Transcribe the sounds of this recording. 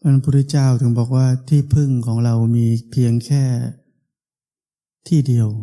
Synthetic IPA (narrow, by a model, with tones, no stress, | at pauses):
pʰa˧n˧pʰuː˧˥ɾi˦˥t͡ɕaː˥˩wt̪ʰɯ˩˦ŋbɔː˨˩k̚waː˥˩t̪ʰiː˥˩pʰɯ˥˩ŋkʰɔː˩˦ŋɾa˧wmiː˧pʰi˧əŋkʰɛː˥˩ | t̪ʰiː˥˩di˧əw